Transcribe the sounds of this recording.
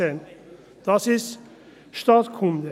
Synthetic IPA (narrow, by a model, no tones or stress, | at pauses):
ən | d̪̥ɑsɪs | ʃt̪ɑːt̪kʰʊnd̪ə